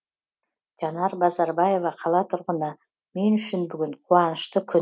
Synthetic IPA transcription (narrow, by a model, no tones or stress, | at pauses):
t̪ʲʰanɑɾbɑzɑɾbɑje̞vɑqʰɑlˠɑt̪ʰʊɾʁənɑ | menʏʃɪnbʏɡʲʏnqʰuɑnəʃt̪əkʲʰʏ